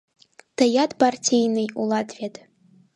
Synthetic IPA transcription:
t̪ɐjat̪partʲijnɨjulˠat̪vʲet̪

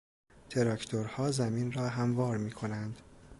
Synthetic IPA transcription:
t̪ʰe̞ɾɒcʰt̪ʰoɾhɒːzæminrɒːɦæmvɒːɾmiːkʰo̞nænd̪̥

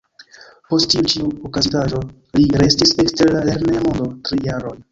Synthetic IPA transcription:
po̞stːiut͡ʃiuokazitaʒo̞ | liɾe̞stise̞ksteɾlaleɾnemodo̞tɾijaɾo̞j

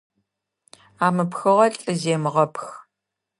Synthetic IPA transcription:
aːmɨpxɨʁɐɬʼɨzeːmɨʁɐpx

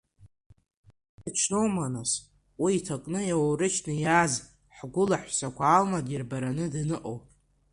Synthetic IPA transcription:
at͡ʃʰnowmanas | wiːtʰakʼnɨjawɾɨt͡ʃʰnɨjaz | ħɡʷʊlaħʷsakʷʰaːlmadɪrbaɾanɨdnɨʔʼo̰wpʼ

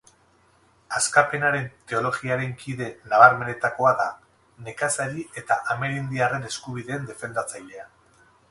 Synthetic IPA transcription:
askape̞naɾe̞nt̪e̞o̞lo̞ɣiaɾe̞ŋkʰiðe̞naβaɾme̞ne̞t̪ako̞aða | ne̞kasaɾiʔe̞t̪aʔame̞ɾind̪iare̞ne̞skuβiðe̞ːnd̪e̞fe̞nd̪at͡sajʎe̞a

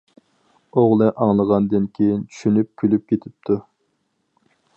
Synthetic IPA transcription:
oʁlˠɨʔɑŋlˠəʁɑnd̪ɨnkʲʰejint͡ʃʰy̥ʃynyp̚kʲʰylyp̚kʲʰet̪ʰɪp̚t̪ʰu

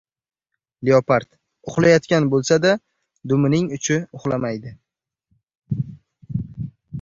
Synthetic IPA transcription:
leopaɾt̪ | ʊχlˠajɒt̪kʲanbolˠsad̪a | d̪ʊmɪnɪŋʊt͡ʃʰɪʊχlˠamajd̪ɪ

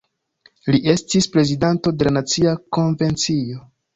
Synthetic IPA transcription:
liʔe̞stispɾe̞zidanto̞de̞lanat͡siako̞ɱve̞nt͡sio̞

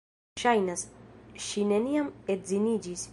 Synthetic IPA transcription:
ʃajnasʃineniamet̪̚zinid͡ʒis

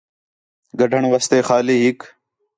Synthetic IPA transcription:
ɡɐɖʱəɳ̃ʋɐst̪eːxaːliːɦik

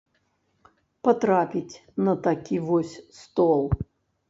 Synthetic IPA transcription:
pɐt̪ɾapʲitʲnɐt̪ɐkʲivɔsʲst̪ɔlˠ

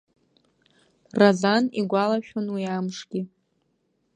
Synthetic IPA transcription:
razaniɡʷalaʃᶣonwiamʂɡʲiɪ

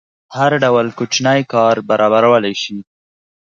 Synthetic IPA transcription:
haɾɖawəlkot͡ʃnajkɑɾbaɾɑbaɾawəlajʃi

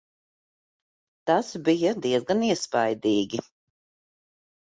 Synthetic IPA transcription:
t̪asbijɐd̪iɛzɡaniɛspajd̪iːɡʲi

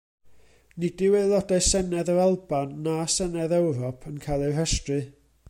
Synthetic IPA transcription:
nɪdɪwelˠɔdaɨsɛnɛðəalˠbanːasənɛðɛwɾɔpʰənkʰajlˠɛr̥əstrɨ

